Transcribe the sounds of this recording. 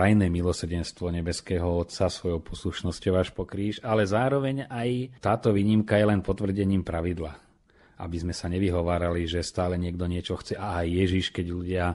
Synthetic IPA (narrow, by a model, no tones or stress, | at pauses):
ajnɛmilɔsr̩ɟɛnst̪ʋɔɲɛbɛskɛːɦɔɔt̪sasʋɔjɔʊpɔsluʃnɔscɔʊaʃpɔkɾiːʃalɛzaːɾɔʋɛɲajt̪aːt̪ɔʋiːɲimkajɛlɛnpɔt̪ʋr̩ɟɛɲiːmpɾaʋid̪la | ʔa̰bizmɛsaɲɛʋiɦɔʋaːɾaliʒɛst̪aːlɛɲɪɛɡd̪ɔɲɪɛt͡ʃɔxt͡sɛʔaːjːɛʒiʃkɛɟʎuɟɪa